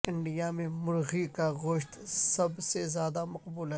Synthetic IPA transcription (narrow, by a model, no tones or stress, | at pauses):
ɪ̃ɳɖijamẽmʊɾɣikaɣoʃt̪sɐbsezjaːd̪amɐqbuːlɦɛ